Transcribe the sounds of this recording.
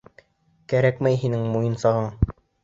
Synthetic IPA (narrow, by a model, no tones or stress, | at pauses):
kæɾækmæjɦinɘŋmujɤ̆nsɑʁɤɴ